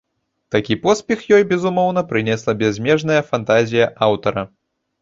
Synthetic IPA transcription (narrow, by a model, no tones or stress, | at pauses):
t̪akʲipɔspʲɛxjɔjbʲɛzumɔwn̪ɐpɾɨnʲɛslˠɐbʲɛzʲmʲɛʐn̪ɐjɐfant̪azʲijɐʔawt̪ɐɾɐ